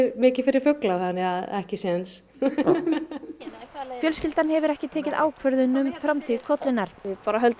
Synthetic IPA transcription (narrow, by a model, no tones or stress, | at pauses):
ɾmɪːcɪ̥fɪɾɪɾ̥fʏklawθanːɪaðɛhcɪsɛðans | fjœlscɪlt̪anɦɛvʏɾɛhcɪt̪ʰɛːcɪða̰ːwkʰvœɾðʏnʏmfɾamt̪ʰikʰɔt̪lɪnːaɾ̥ɪpaːɾaɦœlt̪